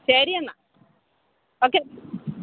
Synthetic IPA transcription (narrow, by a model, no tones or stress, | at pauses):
ɕɐɾiɐnːɐ | oːkːe